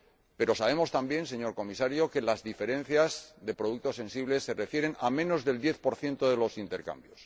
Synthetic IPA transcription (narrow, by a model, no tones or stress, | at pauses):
pe̞ɾo̞saβe̞mo̞st̪ambje̞ns̬e̞ɲo̞ɾko̞misaɾjoke̞lazðife̞ɾe̞nθjazðe̞pɾoðuk̚t̪o̞sẽ̞nsiβle̞sːe̞re̞fje̞ɾe̞namẽ̞no̞zðe̞ld̪je̞θpo̞ɾθje̞nt̪oðe̞lo̞sint̪e̞ɾka̰mbjo̞s